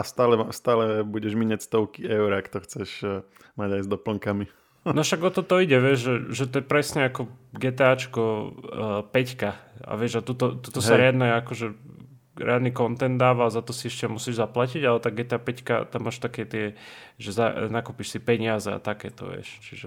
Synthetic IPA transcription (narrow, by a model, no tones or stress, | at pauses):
ast̪aːlɛmast̪aːlɛbuɟɛʒmiɲacst̪ɔʊkiɛʊɾakt̪ɔxt͡sɛʃ | maɟajzd̪ɔpl̩ŋkami | nɔʃaɡɔt̪ɔt̪ɔiɟɛʋɪɛʒʒɛʒɛt̪ɔjɛpɾɛsɲɛakɔɡɛːt̪ɛaːt͡ʃkɔ | pɛckaa̰ʋɪɛʒat̪ut̪ɔt̪ut̪ɔsaɾɪad̪nɛakɔʒɛ | ɾɛ̰ad̪niːkɔnt̪ɛnd̪d̪aːʋaːzat̪ɔsiɛʃcɛamusiːʒzaplaciɟalɛt̪aɡɛt̪ɛaːpɛcka̰t̪amːaːʃt̪akɛːt̪ɪɛʒɛzanakuːpiʃsipɛɲɪazɛa̰t̪akɛːt̪ɔ̰ʋɪɛ̰ʃt͡ʃiʒɛ